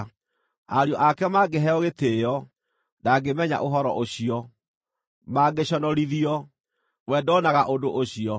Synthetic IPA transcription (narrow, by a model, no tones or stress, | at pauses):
aɾiɔʔakɛmaːɡeɦɛɔɣetejɔ | daɡemɛɲa̰ʔoɦɔɾɔ̰ʔoɕiɔ | maɡeɕɔnɔɾiðiɔ | wɛdɔnaɣaʔodoʔoɕiɔ